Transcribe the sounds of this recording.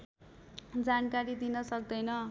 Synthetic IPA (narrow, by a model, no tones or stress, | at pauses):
d͡zankaɾid̪inʌsʌk̚d̪ʌjnʌ